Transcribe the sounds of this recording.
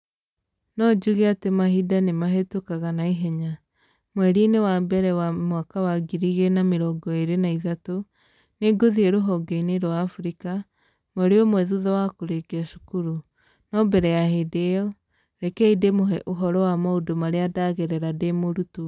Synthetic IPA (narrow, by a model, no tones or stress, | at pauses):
nɔd͡ʒuɣeatemahidanemaɦetokaɣanaiɦɛɲa | mwɛɾinewabɛɾɛwamwakawaɡiɾiɣenameɾɔɡɔeɾenaiðato | neɡoðieɾoɦɔɡeineɾwaːfuɾika | mwɛɾeɔmwɛðuðɔwakoɾeɡeaʃu̥kuɾu | nɔbɛɾɛjahedeɔ | ɾɛkɛidemoɦɛʔoɦɔɾɔwamaodomaɾeadaɣɛɾɛɾademoɾutu